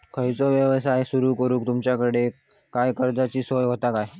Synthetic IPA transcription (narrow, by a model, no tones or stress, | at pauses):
kʰəjt͡soʋjəʋsajsuɾuːkəɾuːkt̪umt͡ɕjakəɽe | kajkəɾd̪at͡ɕiːsojɦot̪akaj